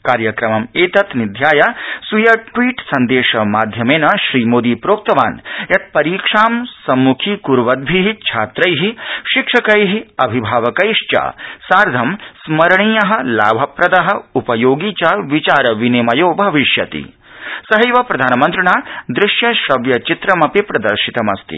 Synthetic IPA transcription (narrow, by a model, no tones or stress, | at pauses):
kaːɾjɐkɾɐmɐmeːt̪ɐt̪nid̪ʱjaːjɐsujɐʈʋiːʈsɐnd̪eːʃɐmaːd̪ʱjɐmeːnɐʃɾiːmoːd̪iːpɾoːk̚t̪ɐʋa̰ːnjɐt̪̚pɐɾiːkʂaːmsɐmːukʰiːkuɾʋɐd̪̚bʱiɦit͡ʃʰaːt̪ɾɐjɦiʃikʂɐkɐjɦiɐbʱibʱaːʋɐkɐjʂt͡ʃa̰ːsaːɾd̪ʱɐmsmɐɾɳiːjɐɦɐ̆la̰ːbʱɐpɾɐd̪ɐɦɐ̆upɐjoːɡiːt͡ʃaːʋit͡ʃaːɾɐʋinimɐjoːbʱɐʋiʃjɐt̪ḭ | sɐɦɐjʋɐpɾɐd̪ʱaːnɐmɐnt̪ɾɐɳaːd̪ɾɪʃjɐʃɾɐʋjɐt͡ʃit̪ɾɐmɐpipɾɐd̪ɐɾʃit̪ɐmɐ̰st̪ḭ